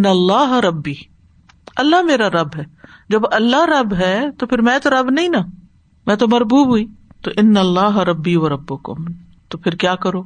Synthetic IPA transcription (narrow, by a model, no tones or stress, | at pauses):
ɪnːɐlːaːɦɾɐbːiː | ɐlːaɦmeːɾaɾɐbɦɛːd͡ʒɐbɐlːaɾɐbɦɛːt̪opʰɪɾmɛ̃ːt̪oɾɐbnɐɦĩna | mɛ̃ːt̪omɐɾbuːbɦuiːt̪oʔɪnːɐlːaːɦɾɐbːiːʋɐɾɐbːokʊ̰m | t̪opʰɪɾkjaːkɐɾoː